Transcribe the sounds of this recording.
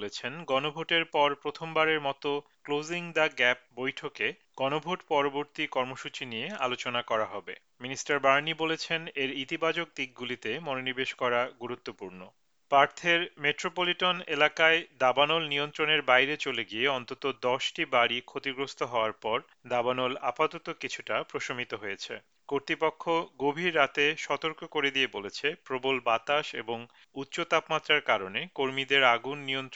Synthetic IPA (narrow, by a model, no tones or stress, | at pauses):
let͡ɕʰenɡɔnobʱoʈeɾpɔɾpɾot̪ʰombaɾeɾmɔt̪o | kloziŋd̪aɡɛp̚bojʈʰoke | ɡ̥ɔnobʱoʈpɔɾoboɾt̪ikɔɾmoʃut͡ɕinijealot͡ɕonakɔɾaɦɔbḛ | minisʈaɾbaɾnibolet͡ɕʰeneɾit̪ibad͡ʑok̚d̪ik̚ɡulit̪emɔnonibeʃkɔɾaɡuɾut̪ːopuɾno | paɾt̪ʰeɾmeʈɾopoliʈonelakaed̪abanolnijont̪ɾoneɾbajɾet͡ɕoleɡieɔnt̪ot̪od̪ɔʃʈibaɽikʰot̪iɡɾost̪ʰoɦɔoaɾpɔɾ | d̪abanolapat̪ot̪okit͡ɕʰuʈapɾoʃomit̪oɦojet͡ɕʰḛ | koɾt̪ɾipokʰːoɡobʱiɾːat̪eʃɔt̪oɾkokoɾed̪iebolet͡ɕʰepɾobolbat̪aʃḛboŋ | utːɕot̪apmat̪ːɾaɾkaɾonekoɾmid̪eɾaɡunːijont̪